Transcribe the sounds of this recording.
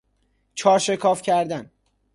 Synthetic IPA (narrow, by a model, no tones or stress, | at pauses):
t͡ʃʰɒːɾʃe̞kʰɒːfcʰæɾd̪æn